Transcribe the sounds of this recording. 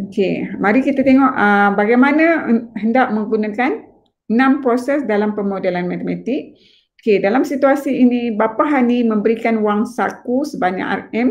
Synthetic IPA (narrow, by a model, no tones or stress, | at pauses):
okemaɾikit̪at̪eŋɔʔəbaɡajmanãhəndaʔ̚mə̃ŋɡunãkan | nãmpɾosɛsdalampəmodɛlanmat̪emat̪ik̚ | okedalamsit̪uasiːnĩbapaɦanimə̃mbəɾikanuwaŋsakusəbaɲa̰ʔa̰rɛm